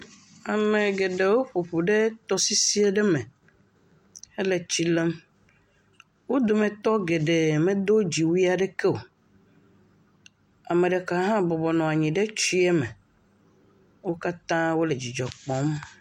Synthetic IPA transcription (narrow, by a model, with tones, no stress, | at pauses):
a˨me˨ɡe˨ɖe˨wo˦ɸu˨ɸu˨ɖe˦t̪ɔ˦si˦si˦e˦ɖe˦mẽ˨ | e˦le˨t͡ɕi˦le˦m | wo˦d̪o˨mẽ˨t̪ɔ˦ɡe˨ɖe˨mẽ˦d̪o˦d͡ʑi˨wi˦a˨ɖe˦ke˦o˨ | a˨mẽ˨ɖe˨ka˨ɦã˦bɔ˨bɔ˨nɔ̃˨a˨ɲĩ˨ɖe˦t͡ʃi˦e˦me˨ | wo˦ka˦t̪ã˦wo˦le˨d͡ʑi˨d͡ʒɔ˨k͡pɔ̃˦m